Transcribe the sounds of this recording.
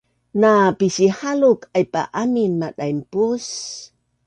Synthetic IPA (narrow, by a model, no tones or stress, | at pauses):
napisihalukajpa̰ʔaminːaɗajmpus